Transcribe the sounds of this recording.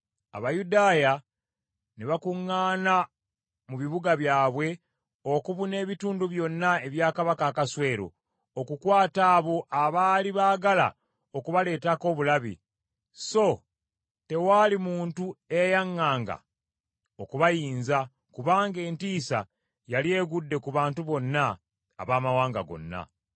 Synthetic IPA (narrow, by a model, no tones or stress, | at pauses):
a̰βajudaːja | neβakuŋːaːna | muβiβuɡaβjaːβwe̞ | o̞kuβune̞ːβituːnduβjo̞nːae̞βjaːkaβakaːkaswe̞ːɾo̞̰ | okukwaːtaːβo̞ʔaβaːliβaːɡala̰ | okuβale̞ːtako̞ːβulaβḭ | so̞ | te̞waːlimuːntue̞jaŋːaːŋɡa̰ | okuβajiːnza | kuβaːŋɡe̞ːntiːsa̰ | jalie̞ːɡudːe̞kuβaːntuβo̞nːa̰ː | βaːmawaːŋɡa̰ɡo̞̰nːa̰